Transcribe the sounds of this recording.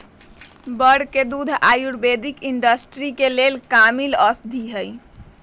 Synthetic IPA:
bəɽked̪ud̪ʱajuɽbed̪ikiɳɖəsʈɾikelelkamiləsd̪ʱiɦəj

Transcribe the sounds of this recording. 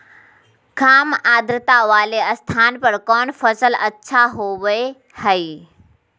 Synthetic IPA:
kaːmaːd̪ɾɪt̪aʋaːleəst̪ʰaːnpəɽkɔːnfəsəlɐtːʃʰaɦoʋəe | həiː

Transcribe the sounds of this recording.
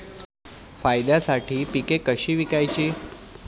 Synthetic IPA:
fajd̪jasaʈʰiːpikekəɕiːʋikajt͡ɕiː

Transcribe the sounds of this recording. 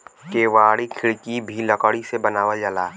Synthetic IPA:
keːʋaːɽikʰɪɭkibʱiləkəɽisebənaːʋəd͡ʒalaː

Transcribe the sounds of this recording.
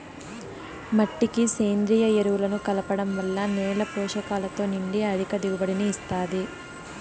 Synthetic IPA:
mɐʈːikiseːnd̪ɾijɐeɾuwulɐnukɐlɐpɐɽɐmʋɐlːɐnɛːɭɐpɔːʃɐkaːlɐt̪o̞ːniɳɖiɐd̪ʱikɐd̪iɡubɐɽiniːst̪aːd̪i

